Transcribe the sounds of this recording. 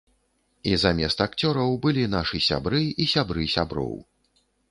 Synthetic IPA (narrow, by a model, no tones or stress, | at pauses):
izamʲɛst̪ak̚t͡sʲɔɾɐwbɨlʲinaʂɨsʲa̰bɾɨisʲabɾɨsʲabɾɔ̰w